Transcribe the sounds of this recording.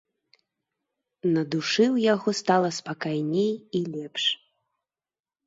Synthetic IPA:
nɐd̪uʂɨwjaɣɔst̪alˠɐspakajnʲejilʲɛpʂ

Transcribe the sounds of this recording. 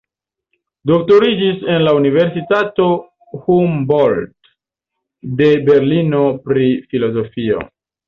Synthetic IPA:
do̞k̚to̞ɾid͡ʒise̞nlaunive̞ɾsitato̞ | humbold | de̞be̞ɾlino̞pɾifilo̞zo̞fio̞̰

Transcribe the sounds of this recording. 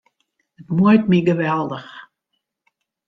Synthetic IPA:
ətmujtmiɡəʋɛlˠdəx

